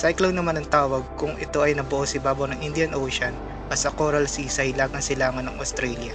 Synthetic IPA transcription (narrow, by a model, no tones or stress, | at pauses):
sajkloŋnɐmanɐŋt̪aːwɐɡ̚kʊŋʔɛt̪o̞ʔɐjnɐbʊʔosɪbaːbonɐŋʔɪnd̪ɪɐnʔoːʃɐn | bɐsɐkoɾɐlsisɐhɪlaːɡɐŋsɪlaːŋɐnɐŋɐst̪ɾɛljɐ